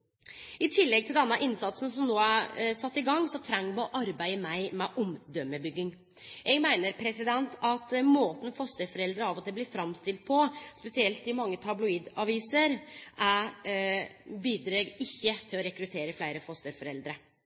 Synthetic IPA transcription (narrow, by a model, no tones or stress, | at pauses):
ɪt̪ʰɪlːɛɡ̚t̪ʰɪld̪ɛnːɑʔɪnsɑt̪sn̩sɔmnoːæɾsɑt̪ːɪɡɑŋːsɔt̪ʰɾæŋmɔʔɑɾbæɪəmæɪmɛʔɔmd̪œmːəbʏɡːɪŋ | jɛɡmæɪnəɾpʰɾɛsɪd̪ɛnt̪ʰɑt̪moːt̪n̩fɔst̪əɾfɔɾɛld̪ɾəɑːʋɔt̪ʰɪlblɪɾfɾɑmst̪ɪlt̪̚pʰɔspɛsɪɛlt̪ɪmɑŋːət̪ʰɑblʊiːd̪ɑʋiːsəɾʔæ | biːd̪ɾeːɡɪçːət̪ʰɪlɔɾɛkɾʉt̪ʰeːɾəflæɪɾəfɔst̪əɾfɔɾɛld̪ɾə